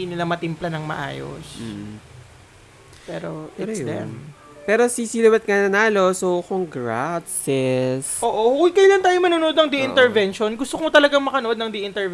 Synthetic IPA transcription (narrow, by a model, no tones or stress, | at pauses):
inɪlamɐt̪ɪmplɐnɐŋmɐ̰ʔa̰ːjo̰s | pɛ̰ːɾoʔɪɾsd̪ɛ̰m | pɛːɾosisilowɛt̪̚ŋanɐnaːlo̞sokoŋɡɾat̪sɛsʔoːʔokkɐjlant̪aːjomɐnoːnoʔod̪nɐŋd̪ɛʔɪnt̪ɛɹvɛnʃo̞nɡʊst̪okot̪ɐlɐɡaŋmɐkɐnoʔod̪nɐŋd̪ɛʔɪnt̪ɛv